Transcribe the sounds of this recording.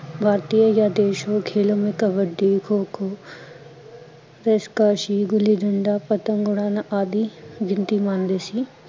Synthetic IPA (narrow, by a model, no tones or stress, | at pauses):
bʱaːɾt̪ijəjad̪eːʃõkʰeːlõmẽkɐbəɖɖ̪ikʰoːkʰoː | ɾeːskaːʃiɡʊlid̪ʱɐɳɖaːpɐt̪əmɡʊɽ̃aːnaʔaːd̪iɡɪ̃nt̪imãːnd̪eːsi